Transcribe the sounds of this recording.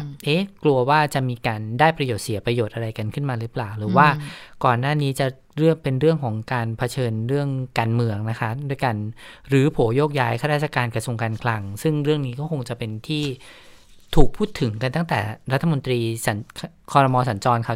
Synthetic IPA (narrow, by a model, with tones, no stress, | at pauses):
ʔe˦˥klu˧ɐwaː˥˩t͡ɕa˨˩miː˧kaː˧ndaː˥˩jpɾa˧joː˨˩t̪̚si˨˩˦pɾa˧joː˨˩t̪̚ʔa˧ɾa˧jka˧nkʰɯ˥˩nmaː˧ɾɯː˦˥plaː˨˩wɾɯː˩˦waː˥˩kɔː˨˩nːaː˥˩niː˦˥t͡ɕa˨˩ | ɾɯ˥˩əŋpe˧nɾɯ˥˩əŋkʰɔː˩˦ŋkaː˧npʰa˧t͡ɕʰɤː˧nɾɯ˥˩əŋkaː˧nmɯ˧əŋna˦˥kʰa˦˥du˧əjka˧nɾɯː˩˦pʰoː˩˦joː˥˩k̚jaː˦˥jkʰa˥˩ɾaː˥˩t̪̚t͡ɕʰa˧˩kaː˧nkɾa˧su˧əŋkaː˧nkʰla˧ŋsɯ˥˩ŋɾɯ˥˩əŋniː˦˥kɔː˥˩kʰo˧ŋt͡ɕa˨˩pe˧nt̪ʰiː˥˩ | t̪ʰuː˨˩k̚pʰuː˥˩t̪ʰːɯ˩˦ŋka˧nt̪a˥˩ŋt̪ɛ̰ː˨˩ɾa˦t̪ʰːa˧mo˧nt̪ɾiː˧sa˩˦nʰ | kʰɔː˧ɾa˧mɔː˧s̬a˩˦nt͡ɕɔː˧nkʰa˥˩